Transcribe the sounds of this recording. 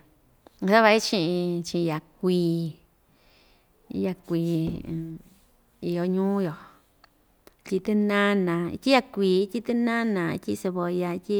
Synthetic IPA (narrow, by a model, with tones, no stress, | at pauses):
sa˦βa˧i˦t͡ʃĩ˧ʔĩ˧t͡ʃĩ˧ja˨kʷiː˧˦ | ja˧kʷiː˧˨ | i˧jo˧ɲũː˦jo˨˧ | tʲi˧t̪ɨ˦nã˦nã˧ḭ˧t̪ʲi˦ja˧kʷiː˧˦tʲi˦t̪ɨ˦nã˦nã˧ḭ˧tʲi˦se˧βo˧ja˧i˧tʲi˦